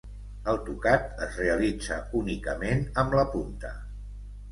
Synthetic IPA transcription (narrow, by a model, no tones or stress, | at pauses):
əlˠt̪ukat̪əzreəlid͡zə̰unikəmenəmləpunt̪ə